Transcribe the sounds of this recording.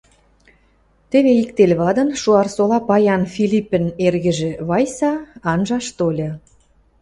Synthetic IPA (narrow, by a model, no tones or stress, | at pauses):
t̪ĕβeikt̪elʲβɑd̪ə̆nʃuɑrsolɑpɑjɑnfilʲipə̆nerɣə̆ʒĕβɑjsɑɑnʒɑʃt̪olʲɤ̆